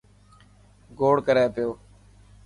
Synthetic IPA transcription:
ɡoːɽkəɾeːpɪjoː

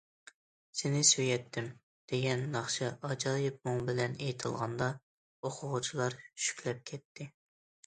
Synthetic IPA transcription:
senɪsøjɛt̪ʰːɪm | d̪̥eɡʲɛnːɑχʃɑʔɑd͡ʒɑːjɪp̚mʊŋbɪlɛnejt̪ʰɨlˠʁɑ̰nd̪ɑ | oqʰʊʁʊt͡ʃʰilˠɑɾt͡ʃʰy̥ʃy̥kʲlɛp̚kʲʰɛt̪ʰːɪ

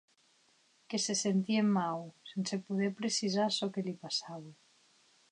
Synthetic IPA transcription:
kesesent̪iemːawsensepuð̞eɾpɾesiz̬aɾsɔkelipasaβe

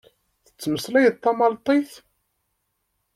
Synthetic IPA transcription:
θə̥t͡sːməslæjət̪ˤːɑmɑlt̪ˤiθ

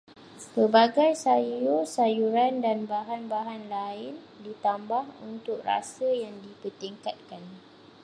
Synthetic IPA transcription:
səbaɡajsajusajuɾandanbaɦanbaɦanlaɪn | dit̪ambahṵnt̪ʊk̚ra̰səjaŋdipərt̪iŋkat̪̚kan

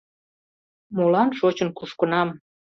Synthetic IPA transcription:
molɑnʃot͡ɕənkuʃkənɑm

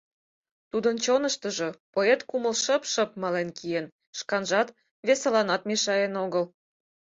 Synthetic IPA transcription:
t̪ud̪ənt͡ɕonəʃt̪ə̆ʒopoet̪kuməlʃə̆pʃə̆p̚mɑlenkijen | ʃkɑnʒɑt̪ | βesɑlɑnɑt̪meʃɑjenoɣəl

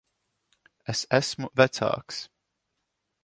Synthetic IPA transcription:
ɛsæsmuvæt̪sa̰ːks

